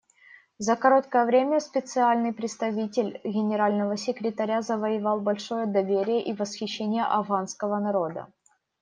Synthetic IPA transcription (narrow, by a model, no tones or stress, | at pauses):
zəkɐɾo̞t̪kəjəvɾʲemʲəspʲɪt̪sɨalʲnɨjpɾʲɪt̪st̪ɐvʲitʲɪlʲɡʲɪnʲɪɾalʲnəvəsʲɪkɾʲɪt̪ɐɾʲazəvəjɪvɑlˠbɐlʲʂo̞jəd̪ɐvʲeɾʲɪjəʔivəsxʲɪɕːenʲɪjəʔɐvɣanskəvənɐɾod̪ə̰